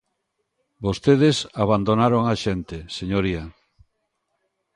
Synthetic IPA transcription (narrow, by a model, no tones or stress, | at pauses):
bost̪eð̞esaβand̪onaɾoŋaʃent̪eseɲoɾia